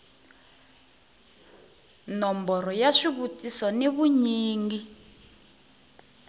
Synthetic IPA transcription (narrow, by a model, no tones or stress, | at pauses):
nɔmbɔɾɔjaʂiβutisɔneβuɲiːŋɡi